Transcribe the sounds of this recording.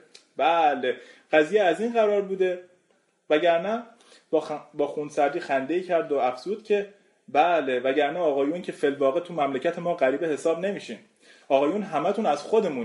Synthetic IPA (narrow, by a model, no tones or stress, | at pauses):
bæleɢæziːjeæziːnɢæɾɒːɾbuːd̪e̞ | væɟæɾnæ | bbɒːxunsæɾd̪iːxænd̪e̞icʰæɾd̪oæfz̥uːd̪̥cʲʰe̞ | bæle̞væɟæɾnæɒːɣɒːjuncʰe̞felvɒːɣet̪ʰumæmlecʰæt̪ʰe̞mɒːɣæɾiːbehe̞sɒːbne̞miːʃiːm | ɒːɣɒːjuːnɦæmæt̪ʰunæz̥xod̪e̞muːn